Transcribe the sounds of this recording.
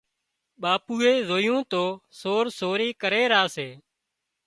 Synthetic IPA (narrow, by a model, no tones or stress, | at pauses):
ɓaːpuːeːzoːjõːt̪oːsoːɾsoːɾiːkəɾeːɾaːseː